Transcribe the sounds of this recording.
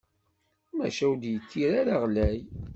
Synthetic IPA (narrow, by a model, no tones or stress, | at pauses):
mæ̰ʃæwd̪jət̪ːiɾaɾaʁlæj